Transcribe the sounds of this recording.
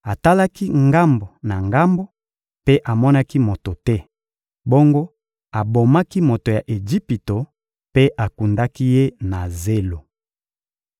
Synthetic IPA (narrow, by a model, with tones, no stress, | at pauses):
a˨ta˦la˦ki˦ŋɡa˦mbo˨na˨ŋɡa˦mbo˦ | pe˦ʔa˨mɔ˦na˦ki˦mo˨to˨tɛ˦ | bo˦ŋɡo˦ | a˨bo˨ma˦ki˦mo˨to˨ja˨ʔe˨d͡ʒi˦pi˨to˨ | pe˦ʔa˨ku˨nda˦ki˦je˦na˨ze˦lo˨